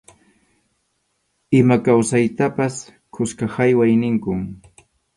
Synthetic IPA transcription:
ɪmakawsajt̪apas | kʰʊskahajwajnɪŋkʊm

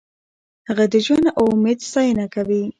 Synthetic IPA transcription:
həɣad̪əʒwand̪ʔomed̪sɑjənakawi

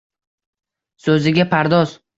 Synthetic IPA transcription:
sɵzɪɡʲapʰaɾd̪ɒz

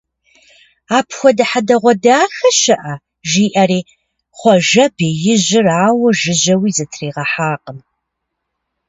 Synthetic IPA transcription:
aːpʰxʷɔdɐħadɐʁʷɔdaːxɐʃɐʔɐ | ʒiːʔɐriː | χʷɔʒɐbeːjɪʑɪraːwɐʒɪʑɐwiːzɐtʰriːʁɐħaːqʼəm

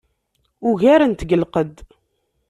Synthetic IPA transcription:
uʝæɾənt̪əɡəlqəd̪

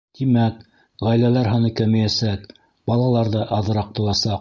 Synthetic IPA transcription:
t̪imæk | ʁæjlælæɾɦɑnɤkæmɘ̆jæsæk | bɑlˠɑlˠɑɾðɤʔɑðɤ̆ɾɑq̚t̪ɤ̆lˠɑsɑq̚

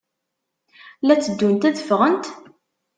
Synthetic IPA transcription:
læt͡sːəd̪ːunt̪æðəfʁənt̪

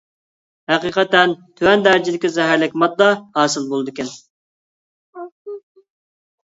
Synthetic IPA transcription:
hæqiqʰɛt̪ɛnt̪ʰøwɛnd̪æɾd͡ʒid̪ɪkʲizɛɦæɾlɪkʲmɑd̪̚d̪ɑhɑːsɨlˠbolˠɨd̪ɨkʲʰɛn

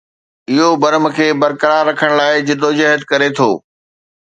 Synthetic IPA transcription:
ɪɦobɐɾəmkʰeːbɐɾkəɾaːɾːɐkʰəɽ̃laːɪd͡ʑɪɗ̪od͡ʑɐɦəd̪̚kɐɾet̪ʰoː

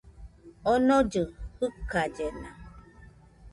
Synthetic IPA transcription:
ɔnɔd͡ʒɨhɨkad͡ʒena

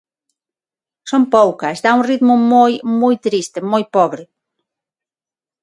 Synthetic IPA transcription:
sompowkɐsd̪auŋrit̪mʊmojmojt̪ɾist̪emojpɔβɾɪ

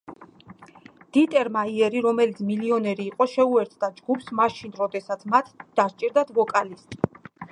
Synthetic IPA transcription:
d̪̥it̪ʼɛɾmaiɛɾiɾɔmɛlit̪sʰmiliɔnɛɾiːqʼɔʃɛuɛɾt̪ʰd̪ad͡ʒɡupʰsmaʃinɾɔd̪ɛsat̪sʰmat̪ʰd̪̥aʃt͡ʃʼiɾd̪at̪ʰvɔkʼalist̪ʼ

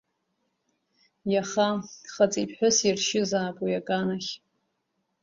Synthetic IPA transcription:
jaχaχat͡sʼipʰʼħʷᶣʊsirʃɪzaːpʼujakʼanaχʲ

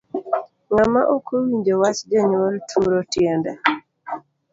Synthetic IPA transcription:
ŋamaʔokʰowiɲd͡ʒɔwasd͡ʒaɲwoltʰumɾɔtjɛnda

